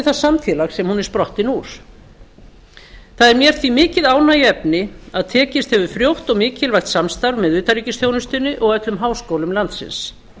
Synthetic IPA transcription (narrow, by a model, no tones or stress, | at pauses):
ɪθasamfjɛːlaɣsɛmhunɛɾ̥spɾɔht̪ɪnuːɾ̥ | θaðɛɾmjɛɾ̥θvimɪːcɪðaːwnajɛpnɪaðt̪ʰɛːcɪst̪hɛvʏ̥fɾjowht̪ɔɣmɪːcɪlvajxt̪samst̪aɾvmɛðʏːt̪aɾiːcɪsθjownʏst̪ʏnːɪʔɔɣœt̪lʏmɦaːwskowlʏmlant̪sɪ̰ns